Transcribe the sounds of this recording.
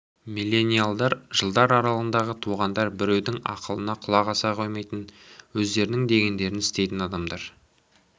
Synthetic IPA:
milʲːe̞nʲijalˠd̪ɑɾʒəlˠd̪ɑɾɑɾɑlˠənd̪ɑʁət̪ʰuʁɑnd̪ɑɾbɪɾe̞wd̪ɪŋɑ̰qəlˠənɑqʰʊlˠɑʁɑsɑqʰojmejt̪ənwɵzd̪e̞ɾɪnɪŋd̪e̞ɡʲe̞nd̪e̞ɾɪnɪst̪e̞jt̪ɪnɑd̪ɑmd̪ɑɾ

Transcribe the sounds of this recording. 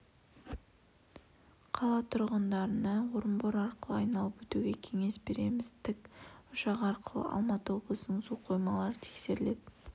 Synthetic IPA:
qʰɑlˠɑt̪ʰʊɾʁənd̪ɑɾənɑwoɾəmboɾɑɾqəlˠəɑjnɑlˠəpwɵt̪uɡʲe̞kʲʰe̞ŋe̞sbe̞ɾe̞̰mɪzt̪ʰɪkʊʃɑqɑɾqəlˠə̰ʔɑ̰lˠmɑt̪əwo̞blˠəsənəzuqʰo̞jmɑlˠɑɾət̪ʰe̥kse̞ɾɪle̞d̪

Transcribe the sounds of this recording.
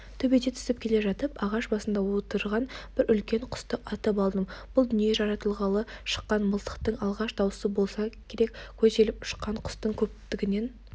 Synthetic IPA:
t̪ʰɵbe̞d̪et̪ʰʏ̥sɪp̚kʲʰe̞le̞ʒɑt̪əpɑʁɑʃbɑsənd̪ɑwo̞t̪əɾʁɑnb̥ɪɾʏlkʲe̞ɴqʰʊ̥st̪əʔɑt̪əp̬ɑlˠd̪əmb̥ʊlˠd̪ʏnije̞ʒɑɾɑt̪əlˠʁɑlˠəʃə̥qːɑnməlˠt̪ə̥qt̪əɴɑlˠʁɑʃd̪ɑwəsəbo̞lˠsɑkʲʰe̞ɾekʲkʲʰɵze̞lɪpʊ̥ʃqɑɴqʰʊ̥st̪əŋkʲʰɵp̚t̪ɪɡʲɪne̞n

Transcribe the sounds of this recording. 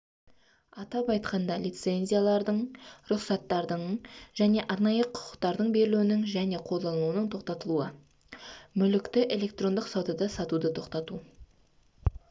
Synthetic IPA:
ɑt̪ɑpɑjt̪qɑnd̪ɑlijt̪se̞nzʲijalˠɑɾd̪əɴɾʊqsɑt̪ːɑɾd̪əɴʒ̥æne̞ʔɑɾnɑjəqʰʊ̥qʰə̥qt̪ɑɾd̪əɴbe̞ɾɪluwɪnɪŋʒæne̞qʰolˠd̪ɑnuwənəɴt̪ʰoqt̪ɑt̪əlˠuə | mʏlɪkt̪ɪʔe̞lʲe̞kt̪ro̞nd̪əqsɑwd̪ɑd̪ɑsɑt̪ud̪ət̪ʰo̞qt̪ɑt̪u

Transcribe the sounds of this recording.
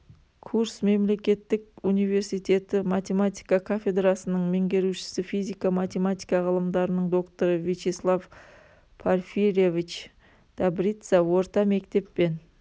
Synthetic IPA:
kʰuɾsme̞mle̞kʲe̞t̪ːɪkunijve̞ɾsijt̪e̞t̪ɪmat̪ʲe̞mat̪ʲi̥jkɑkʰafʲe̞d̪ɾasənəɴme̞ŋɡʲe̞ɾuʃɪ̥sɪfijzʲijkamat̪ʲe̞mat̪ijkɑʁəlˠəmd̪ɑɾənəɴd̪o̞kt̪o̞ɾəvit͡ʃeslˠav | pʰarfiɾevit͡ʃ | d̪̥abɾit̪sɑwo̞ɾt̪ɑme̞kt̪e̞pːe̞n

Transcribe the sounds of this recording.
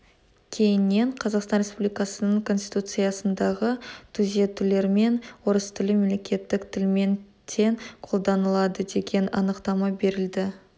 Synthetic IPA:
kʲʰe̞jɪnːe̞ɴqʰɑzɑqst̪ɑnɾespublijkɑsənəɴkʰo̞nsʲt̪ijt̪ut̪sɨjɑsənd̪ɑʁət̪ʰuzet̪ʏle̞ɾme̞nwoɾəst̪ʰʏlɪmemlʲe̞kʲe̞t̪ːɪkt̪ʰɪlme̞n | t̪ʰe̞ɴqʰo̞lˠd̪ɑnəlˠɑd̪əd̪e̞ɡʲe̞nɑ̰nəqt̪ɑmɑbe̞ɾɪld̪ɪ

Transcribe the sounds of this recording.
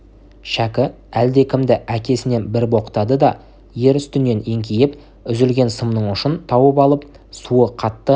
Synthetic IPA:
ʃækʲɪ | æld̪e̞kʲʰɪmd̪ɪʔækʲe̞sɪne̞nbɪɾbo̞qə̥t̪ɑd̪əd̪ɑ | je̞ɾʏst̪ʏnːe̞ne̞ŋkʲʰejɪp | ʏzʏlɡʲe̞nsəmnəɴʊʃənt̪ʰɑwəp̬ɑlˠəp̚ | suəqʰɑt̪ːə

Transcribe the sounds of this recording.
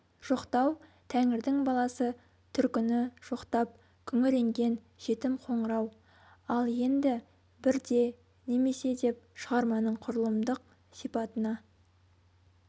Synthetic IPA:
ʒ̥o̞qt̪ɑw | t̪ʰæŋɪɾd̪ɪŋbɑlˠɑsə | t̪ʰʏɾkʲɪnɪʒ̥o̞qt̪ɑp̚ | kʲʰʏŋɪle̞ŋɡʲe̞n | ʒ̥e̞t̪ɪmqʰo̞ɴəɾɑw | ɑlˠje̞nd̪ɪ | bɪɾd̪e̞ | ne̞me̞se̞d̪e̞p̚ʃəʁɑɾmɑnəɴqʰʊɾəlˠəmd̪əq̚ | sijpɑt̪ənɑ

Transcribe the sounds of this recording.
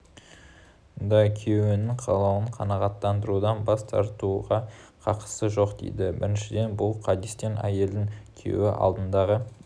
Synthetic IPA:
ʊnd̪ɑkʲʰewɪnɪŋqʰɑlˠɑwəɴqʰɑnɑʁɑt̪ːɑnd̪əɾud̪ɑnbɑst̪ʰɑ̰ɾt̪uʁɑqʰɑqə̥səʒo̞qd̪ḛjd̪ɪbɪ̰ɾɪnʃɪd̪e̞nbʊlˠqʰɑd̪ist̪e̞næ̰je̞ld̪ɪŋkʲʰḛwɪʔɑ̰lˠd̪ənd̪ɑʁə

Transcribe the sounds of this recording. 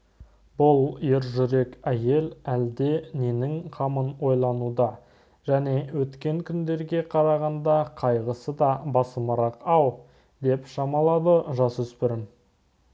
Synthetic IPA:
bʊlˠje̞ɾʒʏɾe̞kʲæje̞læld̪e̞ne̞nɪŋqʰɑmənwo̞jlˠɑnud̪ɑ | ʒ̥æne̞wɵt̪kʲe̞ŋkʲʰʏnd̪e̞ɾɡʲe̞qʰɑɾɑʁɑnd̪ɑqʰɑjʁəsəd̪ɑbɑsəməɾɑqɑw | d̪e̞pʃɑmɑlˠɑd̪əʒɑsʏspɪɾɪm

